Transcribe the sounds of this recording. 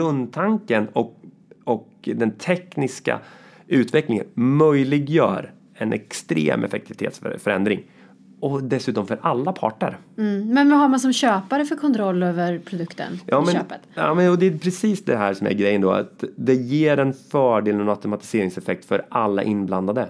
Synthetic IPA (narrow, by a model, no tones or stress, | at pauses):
ɵnd̪t̪ʰaŋkənɔ | ɔk | d̪ɛnt̪ʰɛknɪska̰ | ʉ̟ːt̪vɛklɪŋə̰nmœjlɪɡjœ̰ːɾ | ɛnʔɛkst̪ɾḛːmʔɛ̰fɛkt̪ɪvɪt̪ʰḛːt̪sfœɾɛnd̪ɾɪ̰ŋ | ɔd̪ɛsʉ̟ːt̪ɔmfœɾʔalːapʰɑ̰ːʈə̰ɾmɛnvaɦaɾmansɔmɕøːpaɾəfœɾkʰɔnt̪ʰɾɔlːøːvəɾpʰɾʊd̪ɵkt̪ə̰njɑːmɛnøːpət̪ɑ̰ːmɛnɔd̪ɛæpʰɾɛsiːsd̪ɛɦæːʂɔmæ̰ɾɡɾɛjənd̪o̰a̰t̪d̪ɛjeːɾɛnfœːɖeːlɛnaʊt̪ʊmat̪ɪ̥seːɾɪŋsɛfɛk̚t̪fœɾʔalːa̰ʔɪnbland̪ad̪ə